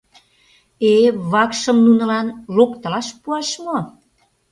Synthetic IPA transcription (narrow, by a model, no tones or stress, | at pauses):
eβɑkʃəmnunɤ̆lɑnlokt̪əlɑʃpuɑʃmo